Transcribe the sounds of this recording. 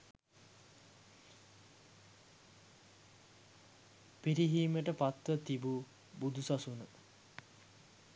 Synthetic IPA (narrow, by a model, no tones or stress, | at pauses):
piɾiɦiːməʈəpat̪ʋət̪ibu | bud̪usasunə